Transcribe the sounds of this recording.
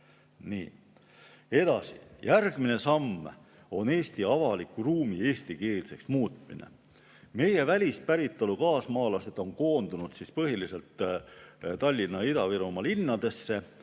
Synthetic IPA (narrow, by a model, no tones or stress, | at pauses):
nḭː | e̞d̪̥ɑsḭjærɡ̥mine̞sɑmː | o̞ne̞ːst̪iɑvɑlikːˑuruːmie̞ːst̪ike̞ːlse̞ksmuːt̪ˑmḭne̞̰ | me̞je̞vælʲist̪̚pæɾit̪ːˑolukɑːsmɑːlɑse̞d̪̥o̞nko̞ːnd̪̥unud̪̥sispɤɦilise̞lt̪ | t̪ɑlʲːinːɑid̪ɑviɾumɑlinːɑd̪̥e̞sːe̞